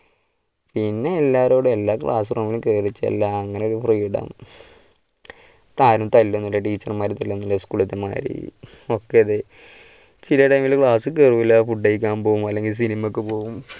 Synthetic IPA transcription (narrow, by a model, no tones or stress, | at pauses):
pinːe̞ːlːaːɾo̞ːɽue̞lːaːkɭa̰ːsurɐmilumkeːrit͡ɕːɐ̰lːɐːŋːɐneo̞ɾufriːɽɐ̰m | t̪aːɾumt̪ɐlːonːulːɐʈiːt͡ɕːɐrmaːɾit̪ɐlːonːulːɐskuːɭɐt̪ːɐma̰ːɾḭ | o̞kːeɐðe | t͡ɕilɐʈɐjmilkɭaːsɨkerʋilːafuʈːejikʲːaːnpo̞ːumɐlːe̞ŋɡils̬inimɐkːɨpo̞ːʋum